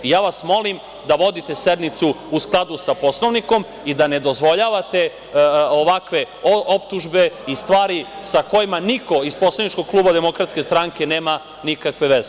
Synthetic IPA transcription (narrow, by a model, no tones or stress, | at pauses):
ijaːʋasmo̞lim | d̪aʋo̞d̪it̪e̞sed̪nit̪suusklˠad̪usapo̞slˠo̞ʋniko̞m | id̪ane̞d̪o̞zʋo̞ʎaːʋat̪e̞ | oʋakʋe̞ | oopt̪uʒbe̞ist̪ʋaːɾisako̞jimaniko̞izpo̞slˠanit͡ʃko̞ɡ̚klˠuːbad̪emo̞kɾat̪ske̞st̪ɾaŋke̞neːma | nikakʋe̞ʋeze